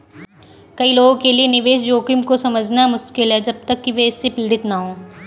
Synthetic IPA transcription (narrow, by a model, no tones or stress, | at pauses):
kɐiloːɡõkelienɪʋeːʃjoːkɪmkosɐməd͡ʒʱnamʊʃkɪlɦɛd͡ʒɐb̚t̪ɐkːiʋɛɪsːepiːɽɪt̪naɦõː